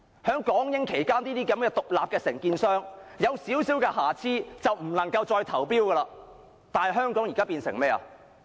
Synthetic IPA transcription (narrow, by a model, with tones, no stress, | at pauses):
hœː˨˥ŋkɔː˨˥ŋjɪ˥ŋkʰe˨˩jkaː˥niː˥t̪iː˥kɐ˨˧˥mkɛː˧t̪ʊ˨k̚la̰ː˨p̚kɛː˧sɪ˨˩ŋkiː˧nsœː˥ŋjɐ˨˧wsiː˨˥wsiː˨˥wkɛː˧ɦaː˨˩t͡sʰiː˥t͡sɐ˨wm̩˨˩nlɐ˨˩ŋkɐ˧wt͡ʃɔː˧jt̪ʰɐ˨˩wpiː˥wkɛ˧laː˧ | t̪aː˨nhɐ˨jɦœː˥ŋkɔː˨˥ŋjiː˨kaː˥piː˧nsɪ̰˨˩ŋmɛː˥ɐ̰˨